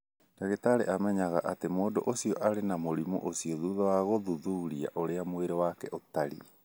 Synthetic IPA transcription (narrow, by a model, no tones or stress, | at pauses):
d̥aɣetaɾeʔamɛɲaɣaʔatemoːdoʔosiɔʔaɾenamoɾimɔ̰ʔosiɔðuðawaɣoðuðuɾia̰ʔoɾeamoeɾɔwakɛʔotaɾḭ